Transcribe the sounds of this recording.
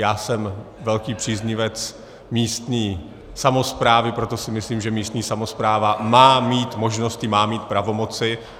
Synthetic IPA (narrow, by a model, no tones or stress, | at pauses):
jaːsɛmvɛlkiːpr̥iːzɲɪvɛt͡s | miːst̪ɲiː | samo̞spɾaːvɪpɾo̞t̪o̞sɪmɪsliːmʒɛmiːst̪ɲiːsamo̞spɾaːvamaːmiːt̪mo̞ʒno̞scɪmaːmiːt̪̚pɾavo̞mo̞t͡sɪ